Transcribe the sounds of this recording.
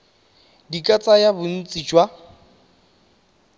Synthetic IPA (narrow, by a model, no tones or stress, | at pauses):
dikʼat͡sʼajabʊn̩t͡sʼid͡ʒwa